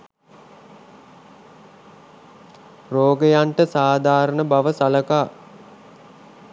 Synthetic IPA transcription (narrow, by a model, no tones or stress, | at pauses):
roːɡəjaɳʈəsaːd̪ʱaːɾənəbaʋəsaləkaː